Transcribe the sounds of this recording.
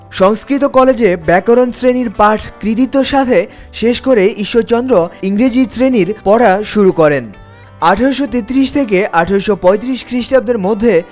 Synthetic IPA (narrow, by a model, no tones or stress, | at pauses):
ʃɔŋskɾit̪okɔled͡ʑebɛkoɾonsɾeniɾpaʈʰkɾit̪̬it̪ːoʃat̪ʰe | ʃeʃkoɾeiʃːot͡ɕɔnd̪ɾoiŋɾid͡ʑisɾeniɾpɔɽaʃuɾukɔɾen | aʈʰaɾoʃot̪et̪ɾiʃt̪ʰekeʔaʈʰaɾoʃopɔet̪̬ɾiʃkɾiʃʈab̚d̪eɾmod̪ʱːe